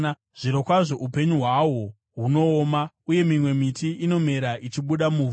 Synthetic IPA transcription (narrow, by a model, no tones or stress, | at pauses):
ʐ̥iɾokwaʐo̞ʔupe̞ɲuɦwawo̞ | ɦuno̞ːma | uje̞mimwe̞mitiʔino̞me̞ɾait͡ʃiɓuɗamu